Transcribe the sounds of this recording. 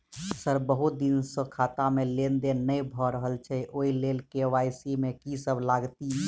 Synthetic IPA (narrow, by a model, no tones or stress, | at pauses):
səɾbəɦut̪̚d̪insə̃kʰaːt̪amelend̪enəbʱɔɾəɦəlt͡ʃʰɛʔoːilelkeʋaːjsimẽkisəbʱlaɡt̪i